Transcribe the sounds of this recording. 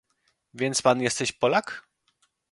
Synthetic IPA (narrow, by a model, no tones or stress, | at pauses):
vʲjɛnt̪spanjɛst̪ɛɕpɔlak